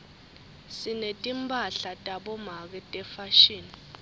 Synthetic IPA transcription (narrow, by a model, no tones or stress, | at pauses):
sinetʼimpʼaɬatʼaɓɔmak̬ɛtʼɛfaʃiːni